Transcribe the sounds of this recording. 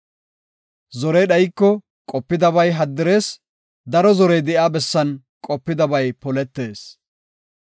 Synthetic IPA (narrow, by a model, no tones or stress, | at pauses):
zɔɾɛjɗɐjɪkːɔ | kʼɔpːɪd̪ɐβɐjɦɐd̪ːɪɾe̞ːs | d̪ɐɾɔzɔɾɛjd̪ɛʔaːbɛsːɐn | kʼɔpːɪd̪ɐbɐjpɔlɛt̪ːe̞ːs